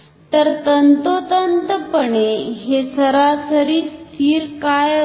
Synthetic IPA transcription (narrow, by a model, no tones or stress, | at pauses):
t̪əɾt̪ənt̪ot̪ənt̪əpəɳeɦesəɾasəɾiːst̪ʰiːɾkaj